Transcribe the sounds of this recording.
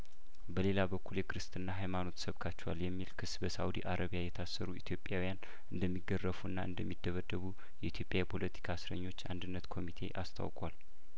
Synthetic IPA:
bəle̞labəkʰːuljɛkɨɾɨst̪ɨnːaɦajmano̞t̪səβkʰat͡ʃːɛwa̰ljɛmːilkʰɨsːbəsaud̪iʔaɾʔəβijajɛt̪ʰasːəɾuit̪ʰjo̞pʼːjawijan | ɨnd̪əmːiɡːərːəfuɨnːa̰ʔɨ̰nd̪əmːid̪ːəβəd̪ːəβu | jɛit̪ʰjopʼjajɛpʰo̞lət̪ʰi̥kʰasɾəɲːo̞t͡ʃːa̰nd̪ɨnːət̪kʰo̞mit̪ʰe̞̰ʔast̪ʰa̰wkʼwal

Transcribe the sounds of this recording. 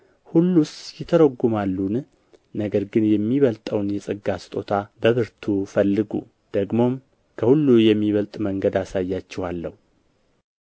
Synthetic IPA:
hulːusjɪt̪ʰəɾəɡumalːun | nəɡəɾɡɨnjɛmːiβəlt̪ʼəwnjɛsʼɨɡːast̪ʼo̞t̪ʰabəβɨɾt̪ʰufəlːɨɡṵ | d̪̥əɡmo̞m | kʰəhulːujɛmːiβəlt̪ʼməŋɡəd̪asajːat͡ʃːɛhalːəhu

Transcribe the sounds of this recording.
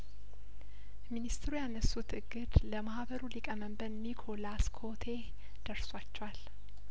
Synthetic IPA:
minist̪ɾujanəsːut̪ɨɡɨd̪ləmahβəɾulikʼəməmbənmikʰo̞laskʰo̞t̪ʰe̞ | d̪̥əɾswat͡ʃːɛwal

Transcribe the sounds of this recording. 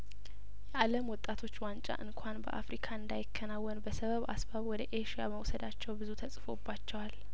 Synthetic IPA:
jɛʔaləmwɔt̪ʼːat̪ʰo̞t͡ʃːwant͡ʃʼa̰ʔɨŋkʷʰanbə̰ʔa̰fɾikʰaɨnd̪ajɪkʰːənawːɔnbəsəβəβa̰sbaβwɔd̪əʔeʃija̰məwsəd̪at͡ʃːɛwbɨzut̪ʰəsʼfo̞bːat͡ʃːɛwal

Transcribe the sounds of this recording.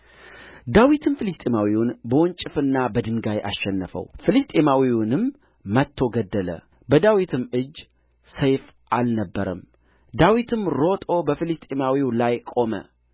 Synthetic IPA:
d̪awit̪ʰɨnfɨlɨst̪ʼemawiwʊnbəwɔnt͡ʃʼɪfɨnːabəd̪ɨŋɡajʔa̰sʃːɛnːəfə̰wfɨlɨst̪ʼemawiwʊnɨmː | ət̪ʰːo̞ɡəd̪ːələ̰ | bəd̪awit̪ʰɨmɨd͡ʒː | səjf | ʔalnəbːəɾə̰m | d̪awit̪ʰɨmɾo̞t̪ʼo̞bəfɨlɨst̪ʼemawiwlajkʼo̞mə̰

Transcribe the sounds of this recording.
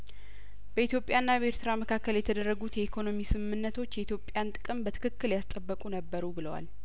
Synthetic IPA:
b̥əit̪jo̞pʼjanːabeɾt̪ʰɨɾaməkʰakːəljɛt̪ʰəd̪ərːəɡut̪jɛʔikʰo̞no̞misɨmmːɨnːət̪ʰo̞t͡ʃːjɛit̪ʰjo̞pʼːjant̪ʼɨ̥kʼɨmbət̪ʰɨ̥kʰɨkːɨljast̪ʼəbːəkʼunəbːəɾubɨləwa̰l

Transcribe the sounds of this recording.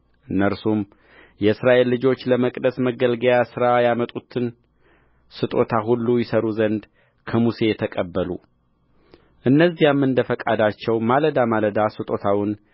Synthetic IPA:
ʔɨnːəɾsum | jɛɨsɾaʔe̞lːɨd͡ʒo̞t͡ʃːləməkʼd̪əsməɡəlɡəjasɨɾajamət̪ʼut̪ʰɨn | sɨt̪ʼo̞t̪ʰaɦulːujɛsəɾuzənd̪ | kʰəmuse̞jɛt̪ʰəkʼəbːəlṵ | ʔɨnːəzːijamːɨnd̪əfəkʼad̪at͡ʃːɛwmaləd̪amaləd̪asɨt̪ʼo̞t̪ʰawɨn

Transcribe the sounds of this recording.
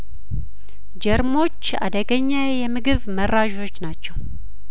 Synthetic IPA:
d͡ʒɛɾmo̞t͡ʃːa̰d̪əɡəɲːajɛmɨɡɨβmərːaʒo̞t͡ʃːnat͡ʃːɛw

